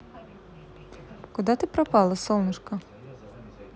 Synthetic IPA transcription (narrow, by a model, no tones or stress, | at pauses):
kud̪at̪ɨpɾapɑlˠɐsɔlˠnɨʂkɐ